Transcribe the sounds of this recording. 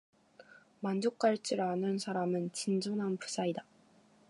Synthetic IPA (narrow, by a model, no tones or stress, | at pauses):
mand͡ʑok͈̚aɭt͡ɕ͈iɾanɯnsʰaɾamɯnt͡ɕind͡ʑonɦanpu̥s͈ʰaida